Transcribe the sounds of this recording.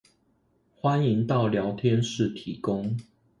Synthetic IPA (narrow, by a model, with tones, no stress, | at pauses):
xwa˦ni˨˦ŋt̪ɑ˥˨ʊljɑ˨˦ʊt̪ʰjɛ˦nʂɻ̩˥˨t̪ʰi˨˦kʊ˦ŋ